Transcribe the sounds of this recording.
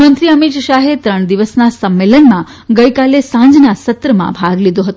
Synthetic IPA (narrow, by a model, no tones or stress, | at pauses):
mənt̪ɾiəmit̪ʃaɦet̪ɾəɳ̃d̪iʋəsnasəmːelənmã | ɡəjkalesãɲd͡ʒnasət̪ɾəmã̰bʱaɡlid̪õɦət̪o